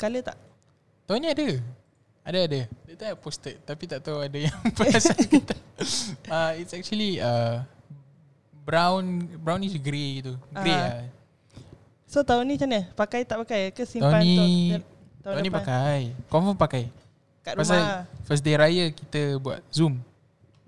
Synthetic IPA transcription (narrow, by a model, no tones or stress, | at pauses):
kalət̪a̰ʔ | t̪aunĩadə | adəadədət̪aapost̪ət̪̚t̪ːapit̪aʔt̪awadəjaŋpəɾasakit̪ə | ait̪sɛk̚t͡ʃuəliə | bɾawnbɾaw̃nisɡɾeɡit̪uɡɾela | sot̪aunĩt͡ʃanəpakajt̪aʔpakajkəsimani | t̪aaunĩppakajkɔmfəpakaj | kaʔɾpas̬afəs̬deɾajəkit̪əbua̰t̪̚zum